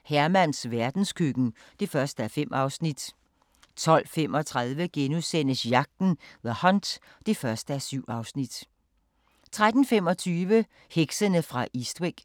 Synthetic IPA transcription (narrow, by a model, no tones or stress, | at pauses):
hæɐmæn̰sʋæɐd̥n̩skʰyɡ̥n̩ | d̥e̝fɶɐsd̥əæɐfem̰ʔɑ̈ʊsnid̥ | t͡sʰɒ̽l̰fem̰ɒt͡sʰʁað̞ˠʋəɡ̥enusen̰əsjɑ̈ɡ̥̚d̥n̩ðˠæhɒ̽nd̥ | d̥e̝fɶɐsd̥əæɐsyʊ̰ɑ̈ʊsnid̥ | t͡sʰʁad̥n̩fem̰ɒ̽t͡sʰyːʋə | heɡ̥sənəfʁɑ̈ʔisd̥weɡ̥